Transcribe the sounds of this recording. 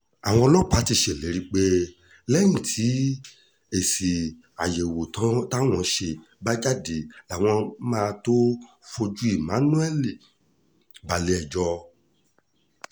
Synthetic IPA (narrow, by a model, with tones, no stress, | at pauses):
a˨w̃ɔ̃˧ɔ˧lo˦˨k͡pa˧˦ti˧ʃe˨le˨˦ɾi˧k͡pe˦ | lɛ˦jĩ˨tʰi˨˦ | e˨si˨ | a˨je˨wo˨tã˨˦ta˦w̃ɔ̃˧ʃe˧ | ba˦d͡ʒa˦˨de˨˦la˨w̃ɔ̃˧mã˦˧to˦ | fo˧d͡ʒu˦i˦˨mã˨˦nũ˦ɛ˦li˨ | ba˨le˧˦ɛ˨d͡ʒɔ˧